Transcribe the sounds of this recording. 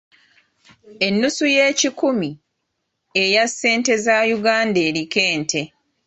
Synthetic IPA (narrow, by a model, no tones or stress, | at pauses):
e̞nːusuje̞ːcikumi | ejasːe̞ːnte̞zajuɡaːnde̞ːɾike̞ːntʰe̞